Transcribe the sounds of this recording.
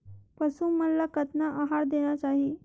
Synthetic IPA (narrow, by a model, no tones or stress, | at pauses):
pəsuːnməlːakət̪naʔaɦaɽd̪eɽ̃jat͡ɕaɦi